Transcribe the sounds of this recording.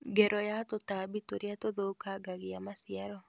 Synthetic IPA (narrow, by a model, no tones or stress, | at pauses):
ɡɛɾɔjat̪otabit̪oɾjat̪oðokaɡaɡɪjamasɪaɾɔ